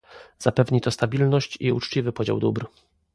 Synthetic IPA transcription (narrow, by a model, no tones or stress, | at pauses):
z̥apɛvɲit̪ɔst̪abʲilnɔɕt͡ɕiut͡ʂt͡ɕivɘpɔd͡ʑa̰wd̪ubɾ